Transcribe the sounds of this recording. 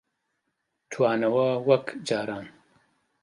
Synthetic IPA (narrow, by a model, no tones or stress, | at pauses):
t̪ʰwaːnɐwɐwɐkd͡ʒaːɾaːn